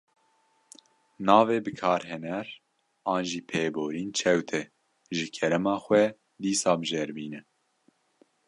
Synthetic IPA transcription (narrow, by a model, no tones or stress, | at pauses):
nɑːveːbɨkʰɑːɾɦɛnɛɾ | ɑːnʒiːpʰeːboːɾiːnt͡ʃʰɛwt̪ʰɛ | ʒɨkʰɛɾɛmɑːxʷɛ | d̪iːsɑːbɨʒeːɾbiːnɛ